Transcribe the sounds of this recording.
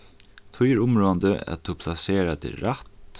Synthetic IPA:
t̪ʰʊjɛɹʊmɹoːand̪əæ̰t̪ʰːʊpʰl̥aseːɾad̪ɪ̰ɾat̪

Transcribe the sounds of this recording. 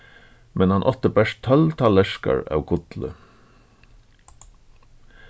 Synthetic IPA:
mʔɛnhɑnʔɔt̪əbæʃt̪ʰœlt̪ʰɑlɛʃkɑ̰ɹɑ̰ːʉkʰʊt̪lə̰

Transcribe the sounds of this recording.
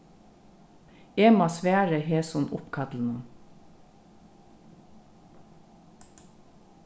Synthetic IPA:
eːmɑsʋæːɹəheːsɔnʔʊ̰pkʰɑt̪l̩n̩əŋ

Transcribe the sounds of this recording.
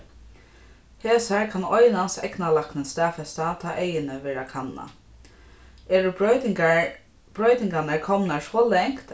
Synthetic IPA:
heːsaɹkʰanɔjnansɛ̰knalaknɪnst̪ɛːfɛst̪at̪ʰɑːʔejɪnɪʋɛːɾakʰanːa̰ | ɛːɹʊ | b̥ɹœɥt̪ɪŋkanəkʰɔmnasʋɔːlɛŋkt̪

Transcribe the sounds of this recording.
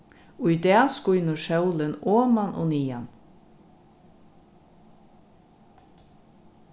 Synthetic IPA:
ʊid̪ɛːskʊjnəʃœwlɪnoːmanʔɔ̰ːniːa̰n

